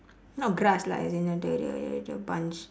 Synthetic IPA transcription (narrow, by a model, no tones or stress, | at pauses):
nɔt̚ɡɾasla̰zinədədə̰dəbãnt͡ʃ